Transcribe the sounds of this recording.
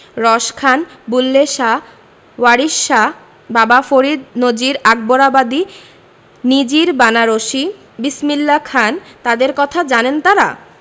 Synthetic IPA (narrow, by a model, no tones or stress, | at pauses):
ɾɔʃkʰanbulːeʃa | waɾiʃːa | babafoɾid̪nod͡ʑiɾaɡ̚boɾabad̪i | nid͡ʑiɾbanaɾoʃi | bismilːakʰant̪ad̪eɾkɔt̪ʰad͡ʑanent̪aɾa̰